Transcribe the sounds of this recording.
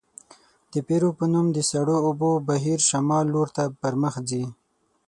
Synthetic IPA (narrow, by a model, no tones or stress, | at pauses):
d̪̥əpeɾopənumd̪əsaɽoːbobaɦiɾʃamɑlːoɾt̪apəɾməxzi